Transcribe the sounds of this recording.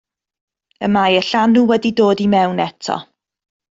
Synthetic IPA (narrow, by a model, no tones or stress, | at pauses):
əmajəɬanuwɛdidoːdimɛwnɛtʰɔ̰